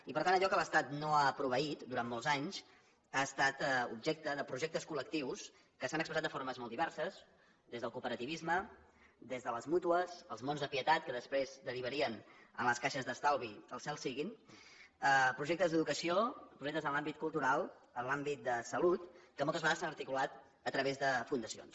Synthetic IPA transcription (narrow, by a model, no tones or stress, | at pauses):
ipəɾt̪anəʎɔkələst̪at̪noapɾuβəit̪d̪uɾammːolˠzaɲz̥ | aəst̪at̪ṵbʒek̚t̪əðəpɾuʒek̚t̪əskulək̚t̪iws | kəsanəkspɾəzat̪d̪əfoɾməzmɔlˠd̪iβɛrsəs | d̪ezðəlˠkupəɾət̪iβizmə | d̪ezðələzmut̪uəsəlˠzmonzðəpiət̪at̪̚kəðəspɾezd̪əɾiβ̞əɾiənə̰nləskaʃəzðəst̪alˠβiəlˠsɛlˠsiɣin | əpɾuʒek̚t̪əzðəðukəsiopɾuʒekt̪əzənlambit̪̚kulˠt̪uɾalˠənlambit̪̚d̪əsəlut̪kəmɔlˠt̪əzβəɣaðəsanəɾt̪ikulat̪ | ət̪ɾəβezðəfund̪əsio̰ns